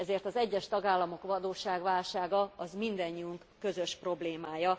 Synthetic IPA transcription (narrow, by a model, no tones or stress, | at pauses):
ɛzeːrt̪ɒzɛɟːɛʃt̪ɒɡaːlːɒmo̞kʋɒd̪oːʃaːɡʋaːlʃaːɡɒɒzmind̪ɒɲːiuŋkːø̞zøʃpro̞bleːmaːjɒ